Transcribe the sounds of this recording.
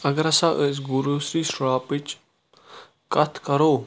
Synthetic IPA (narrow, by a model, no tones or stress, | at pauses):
ɐɡɾɐsaʔəsɡuɾusɾiːsɭaːpit͡ʃ | kɐt̪ʰkɐɾoː